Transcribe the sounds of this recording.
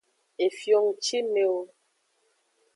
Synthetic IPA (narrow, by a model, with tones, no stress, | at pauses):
e˨fjo˦ŋ˨t͡ʃi˦me˨˦o˦